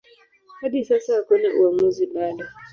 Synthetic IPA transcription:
hadisasakoneʔaŋozinala

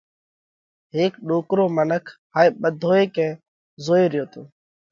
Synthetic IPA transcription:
ɦeːkɗoːkɾoːmənəkʰɦaːeːɓəd̪ʱoːeːkɛ̃ː | zoːeːɾɪjoːt̪oː

